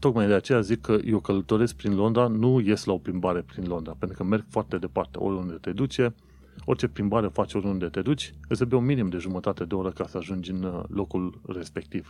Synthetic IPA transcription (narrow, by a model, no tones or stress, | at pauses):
t̪o̞kmajd̪e̞at͡ʃe̞jazikʰːəjʔeokələt̪o̞ɾe̞sk̚pɾinlo̞nd̪ɾanuje̞slao̞pɾimbaɾe̞pɾinlo̞nd̪ɾapent̪ɾukəme̞rɡ̥foart̪e̞d̪e̞part̪e̞o̞̰ɾʲund̪e̞t̪e̞d̪ut͡ʃe̞ | o̞rʲt͡ʃe̞pɾimbaɾe̞fat͡ʃʲo̞ɾʲund̪e̞t̪e̞d̪ut͡ʃʲɨsəbeunminimd̪e̞ʒumət̪at̪e̞d̪eo̞ɾəkasəaʒund͡ʒʲɨnlo̞kulre̞spe̞k̚t̪iv̥